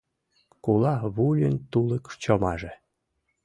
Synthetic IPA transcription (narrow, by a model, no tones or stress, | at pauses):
kulɑβulʲənt̪uləkʃt͡ɕomɑʒe